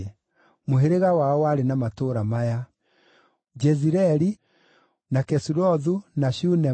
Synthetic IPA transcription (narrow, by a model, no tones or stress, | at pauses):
moɦeɾeɣawaɔwaɾenamatoɾamaja | d͡ʒɛziɾɛɾi | nakɛsuɾɔðunaʃunɛ